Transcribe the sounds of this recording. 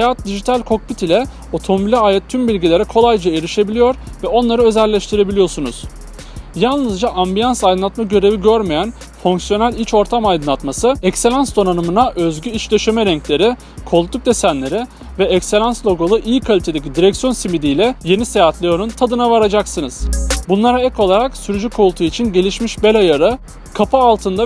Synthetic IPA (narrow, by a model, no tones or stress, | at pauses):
ejat̪̚d̪iʒit̪ʰalʲkʰo̞k̚bit̪ilʲɛ | o̞t̪ʰo̞mobilʲɛaːjɛt̪ʰːymbilʲɟilʲe̞ɾɛkʰo̞lˠajd͡ʒaeɾiʃe̞bilʲijo̞ɾvɛo̞nlˠaɾɯø̞zælʲːɛʃt̪ʰiɾe̞bilʲijo̞ɾsunuz̥ | jalˠnɯzd͡ʒaʔambijansajd̪ɯnˠat̪maɟø̞ɾe̞viɟøɾmejæn | foŋksijo̞nælʲit͡ʃo̞ɾt̪ʰamajd̪ɯnlˠat̪masɯɛcselʲansd̪o̞nanɯmɯnaʔøzɟyit͡ʃd̪øʃemɛɾɛɲclʲe̞ɾi | kʰo̞lˠt̪ːuk̚d̪e̞sænlʲe̞ɾi | vɛɛcse̞lʲanslʲˠo̞ɡolˠuʔijikʰalʲit̪ʰe̞d̪ecid̪iɾɛcsjo̞nsimid̪ijlʲɛje̞nise̞jat̪lʲejonunt̪ʰad̪ɯnavaɾad͡ʒaksɯnɯz̥bunlˠaɾaɛko̞lˠaɾaksyɾyd͡ʒykʰolˠt̪ʰuit͡ʃʰinɟe̞lʲiʃmiʃbelʲajaɾɯ | kʰapɯːlˠt̪ʰɯnd̪a